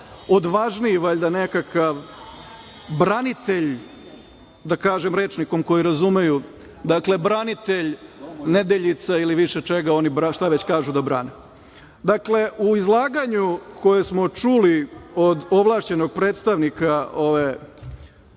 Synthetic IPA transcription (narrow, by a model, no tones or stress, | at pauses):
o̞d̪ʋaʒniiʋaʎʲd̪anekakaʋ | bɾanit̪eʎ | d̪akaːʒemɾe̞ːt͡ʂniko̞mko̞jiɾazume̞ju | d̪akle̞bɾanit̪e̞ʎned̪eʎit̪sailiʋiʃet͡ʃe̞ɡao̞nibɾaʃt̪aʋet͡ɕkaːʒud̪abɾaːne | d̪akle̞ʔuizlˠaːɡaɲukʰo̞jesmo̞t͡ʂuliod̪o̞ʋlˠaːʃt͡ɕe̞no̞ɡ̚pɾeːt̪st̪aʋnikao̞ʋe